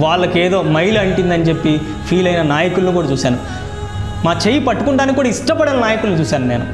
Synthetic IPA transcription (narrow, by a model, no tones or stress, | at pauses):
ʋaːɭːɐkeːd̪o̞ːmɐjluɐɳʈind̪ɐnit͡ʃe̞pːi | pʰiːlɐjnɐnaːjɐkulɐnukuːɽaɐt͡ʃuːsaːnu | maːt͡ʃeːjipɐʈːukuɳʈaːnikikːuːɽaiʂʈɐpɐɽɐnɐnaːjɐkulɐnut͡ʃuːsaːnune̞ːnu